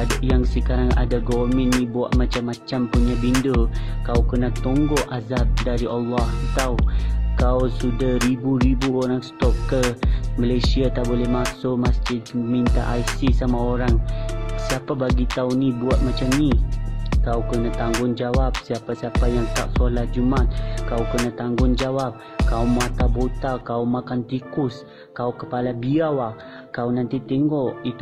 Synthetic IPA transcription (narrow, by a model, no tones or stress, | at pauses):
adʔjaŋsəkaɾaŋa̰daɡɔvəmɛ̃nːĩbua̰ʔmãt͡ʃamːat͡ʃampuɲabindokawkənat̪ɔŋɡɔʔazap̚daɾiʔalːɑht̪awkawsudahɾibuɾibuoɾaŋst̪ɔp̚kəməlajsiat̪aʔbolɛhmaksomasd͡ʒɪdmint̪a̰ʔajsisamaoɾaŋsiapabaɡit̪aunibuat̪̚mat͡ʃamnikaukənaht̪aŋɡʊŋd͡ʒawap̚siapasiapajaŋt̪a̰ʔsolahd͡ʒumat̪̚kawkənaht̪aŋɡʊŋd͡ʒawap̚ | kaumat̪abot̪akaumakant̪ikʊs | kaukəpalabiawa | kawnant̪it̪ɛŋɡɔʔit̪